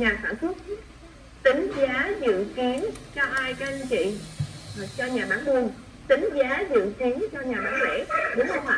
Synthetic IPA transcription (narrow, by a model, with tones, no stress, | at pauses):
ɲaː˨˩sa̰ː˧˩nswə˦˥t̚ | t̪ï˨˦ŋ̟zaː˨˦zɨ̰˧˨ki˨˦ənt͡ɕɔ˧ʔaː˧jkaː˧˥˧t͡ɕḭ˧˨˩ | t͡ɕɔ˧ɲaː˨˩ɓaː˨˦nmu˧ən | t̪ï˨˦ŋ̟zaː˨˦zɨ̰˧˨ki˨˦ənt͡ɕɔ˧ɲaː˨˩ɓaː˨˦ŋlḛ˧˥ɗɨ˨˦ə˧a̰ː˧˨